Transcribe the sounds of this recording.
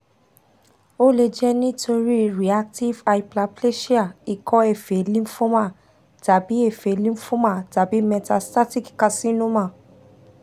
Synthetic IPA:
o˦le˧d͡ʒɛ˦nĩ˦tʰo˧ɾi˦ɾi˨a˦k̚ti˦va˧i˨pla˧ple˦ʃi˦a˨i˨kʰɔ˦e˨fe˨lĩ˦fũ˦mã˦˨ | ta˨bi˨˦e˦˨fe˨lĩ˦fũ˦ma˦˨ta˨bi˨˦mɛ˧ta˧sta˦ti˦kka˧sĩ˦nũ˦mã˦˨

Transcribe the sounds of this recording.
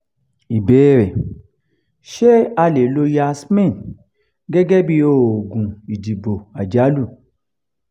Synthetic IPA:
i˨beː˨˦ɾɛ˨ | ʃe˦a˧le˨lo˧ja˧˦smɛ̃˦˨n | ɡɛ˦ɡɛ˦bi˧˦o˦˨o˨ɡũ˨i˨d͡ʒi˨bo˨a˨d͡ʒa˨˦lu˦˨

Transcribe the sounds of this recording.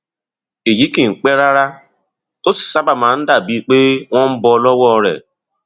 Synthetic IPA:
e˨ji˦ki˨ŋ͡m̩˨k͡pe˦ɾa˦ɾa˦ | o˦si̥˨sa˦ba˨ma˨n̩˦da˨bi˦k͡peː˦ŋʷɔ̃˦m̩˦bɔ˦lɔ˦wɔ˦ɾḛ˨

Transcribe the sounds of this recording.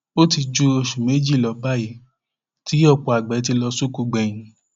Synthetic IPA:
o˦ti˧d͡ʒu˧e˧˨ʃu˨me˨˦d͡ʒi˦˨lɔ˨˦ba˦˨ji˨˦ | ti˦ɔ˦˨k͡pɔ˨a˨ɡ͡bɛ˨˦t̬i˧lɔ˧su˦ku˧ɡ͡bɛ˨j̃ĩ˨˦

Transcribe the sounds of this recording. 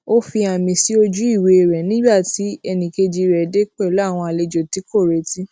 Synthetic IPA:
o˦fi˧a˨mĩ˧si˦o˧d͡ʒu˦i˦˨we˧e˨ɾɛ˨nĩ˨˦ba˦˨ti˨˦ɛ˧nĩ˨ke˧d͡ʒi˧ɾɛ˨de˦k͡pɛ˦˨lw̃ɔ̃˧a˨le˧d͡ʒo˨ti˨˦ko˦˨ɾe˨ti˦

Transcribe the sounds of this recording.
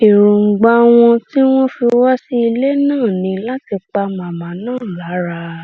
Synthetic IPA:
i˨ɾu˨ŋ͡m̩˨ɡ͡ba˧w̃ɔ̃˧ti˦w̃ɔ̃˦fi˧wa˦si˦i˧le˦nãː˦˨nĩ˧˦la˦ti˧k͡pa˧mã˨mã˨nãː˦˨la˨˦ɾa˧

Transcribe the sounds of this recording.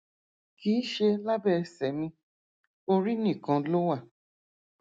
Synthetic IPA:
kiː˨˦ʃe˧la˦bɛ˦˧˨sɛ˨mĩ˧ | o˧ɾi˦nĩ˦˨kã˨˧lo˦wa˦˨

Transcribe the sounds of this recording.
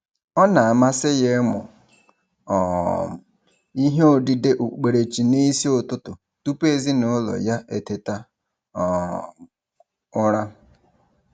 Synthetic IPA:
ɔ˦na˨a˨ma˦sɪ˦je˦mʊ̰˨ | ɔ˨ | i˦ɦe˦o˦˨dɪ˦de˦ʔu˨k͡pe˨ɾe˨t͡ʃi˨ni˦si˦o˨tʊ˦tʊ˨ | tu˦pe˦˨zi˦no˦lɔ̰˨ja˦ʔe˨te˦ta˦˨ | ʊ˦ɾa˦

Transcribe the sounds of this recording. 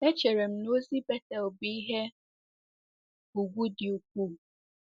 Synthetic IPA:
e˦t͡ʃe˨ɾe˨m̩˨˦no˦zi˦bɛ˦ta˨o˨bi˦i˦ɦe˦ | u˨ɡʷu˦dɪ˨u˨k̚ʷu˦˨

